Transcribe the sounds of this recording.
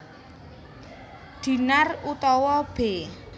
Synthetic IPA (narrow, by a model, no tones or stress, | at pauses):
d̪̥i̤narut̪ɔwɔb̥e